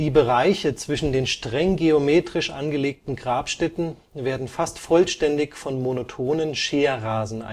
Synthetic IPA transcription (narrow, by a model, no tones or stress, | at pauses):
d̥iːbəʁaɪçət͡sv̥ɪʃn̩deːnʃtʁ̥ɛŋɡeomeːtʁ̥ɪʃʔa̰nɡəleːk̚tn̩ɡʁaːpʃtɛtn̩ | veːɐdn̩fastfɔlʃtɛndɪçfɔnmonotʰoːnənʃeːɐʁaːzn̩ʔa̰